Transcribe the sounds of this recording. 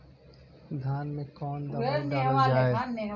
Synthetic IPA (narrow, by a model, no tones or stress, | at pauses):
d̪ʱjaːnmẽkɔːnd̪ɐad̪aːɾəld͡ʒaːe